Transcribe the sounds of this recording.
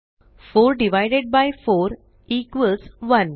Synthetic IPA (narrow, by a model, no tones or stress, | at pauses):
foɾɖiʋajɖeɖ̚bajfoɾ | ikʋəlsʋən